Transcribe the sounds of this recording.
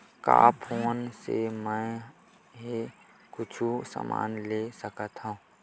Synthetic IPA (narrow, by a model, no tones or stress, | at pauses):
ka̰ːpʰoːnsemɛ̃ | ɦe | kʊt͡ʃʰusa̰ma̰ːnlesəkət̪ɦũ